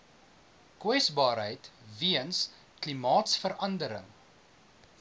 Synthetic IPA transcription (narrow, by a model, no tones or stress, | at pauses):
kwɛsbɑːɾɦəjtviəns | klimɑːtsfəɾɐndəɾə̰ŋ